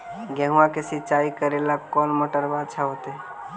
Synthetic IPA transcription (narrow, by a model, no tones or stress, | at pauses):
ɡɛɦuãkesɪt͡ʃaːikəɾelakɔːnmoʈəɾbad̪t͡ʃʰaɦoːt̪eɛ